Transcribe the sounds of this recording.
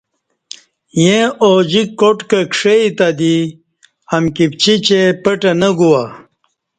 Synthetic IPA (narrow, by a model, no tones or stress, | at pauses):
jẽoːd͡ʑikoʈkɐkʂeit̪ɐd̪i | ɐmkip̚t͡ɕit͡ɕepɐʈɐnɐɡuwa